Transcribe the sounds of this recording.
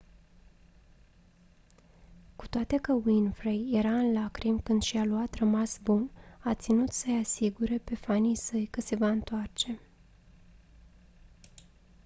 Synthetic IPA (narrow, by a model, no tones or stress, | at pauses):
ku̥t̪oat̪e̞kəwinfɾejje̞ɾaɨnlakɾimkɨnd̪ʃialuat̪rəmasbunat̪sinut̪səjasiɡuɾepe̞fanijsəjkəse̞vaɨnt̪oart͡ʃe̞